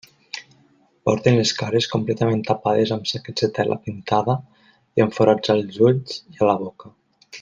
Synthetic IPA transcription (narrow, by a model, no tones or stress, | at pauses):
pɔ̰ɾt̪enleskaɾeskumplɛt̪ament̪apaðezamsaked͡zðet̪ɛlʔa̰pint̪aðə | iəɱfoɾad͡zalˠzuʎzialaβ̞ɔka